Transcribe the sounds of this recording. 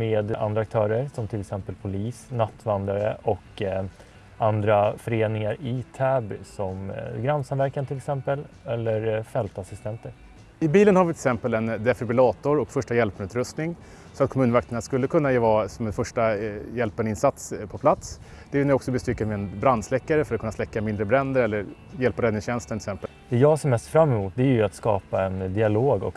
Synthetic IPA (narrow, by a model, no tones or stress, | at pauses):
meːd̪ʔa̰nd̪ɾak̚t̪ʰœːɾəɾsɔmt̪ʰɪlɛksɛmpəlpʰʊliːsnat̪ːvand̪ɾaɾəʔɔk | and̪ɾafœɾeːnɪŋaɾɪt̪ʰæːbsɔmɡɾansanvæɾkant̪ʰɪlɛksɛmpəlɛlːəɾfɛlt̪asɪst̪ʰɛnt̪əɾ | ɪbiːlənhaɾvɪt̪ʰɛksɛmpəlɛnd̪ɛfɪbɪlɑːt̪ʊɾɔkfœʂʈajɛlpnʉ̟ːt̪ɾɵst̪nɪŋ | sɔat̪̚kʰɔmʉ̟ːnvak̚t̪əɳaskɵlːəkʰɵnːajeːvɑsɔmɛnfœʂʈajɛlpanɪnsat̪spʰɔpʰlat̪s | d̪ɛæɾjɵnæɾɔksɔbɛst̪ʏkːamɪɛnbɾand̪slɛkːaɾəfœɾat̪kʰɵnːaslɛkːamɪnd̪ɾəbɾɛnd̪əɾɛlːəɾ | jɛlpaɾɛd̪ɪŋsɕɛnst̪əɳt̪ɪsɛmpəld̪̥ɛjɑːɡsɔmɛst̪fɾamːɛmuːt̪̚d̪ɛæɾjɵat̪skɑ̰ːpaɛnd̪ɪaloːɡɔ̰k